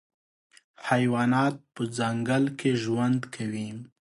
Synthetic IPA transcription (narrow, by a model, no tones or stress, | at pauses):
hajwɑnɑt̪̚pəd͡zaŋɡalkʰeʒwand̪kʰawim